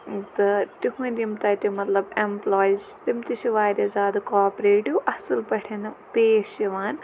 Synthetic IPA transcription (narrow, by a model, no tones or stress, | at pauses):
t̪ɨt̪iɦũnʲdʲimt̪at̪ʲimɐt̪lɐbemploːjt͡ʃt̪imt̪iʃiʋaːɾʲɐzaːd̪ɨkaːpɾeːʈjuʔɐsɨlpɐʈʰenɨpeːʃjiʋaːn